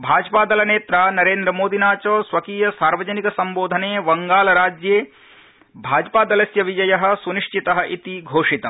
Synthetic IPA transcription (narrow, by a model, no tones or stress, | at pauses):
bʱaːd͡ʒpaːd̪ɐlɐneːt̪ɾaːnɐɾeːnd̪ɾɐmoːd̪ʱinaːt͡ʃɐːsʋɐkiːjɐsaːɾʋɐd͡ʒɐnikɐsɐmboːd̪ʱɐneːʋɐŋɡaːlɐɾaːd͡ʒjeː | bʱaːd͡ʒpaːd̪ɐlɐsjɐʋid͡ʒɐjɐɦɐ̆suniʂt͡ʃit̪ɐɦɐ̆ʔit̪iɡʱoːʂit̪ɐ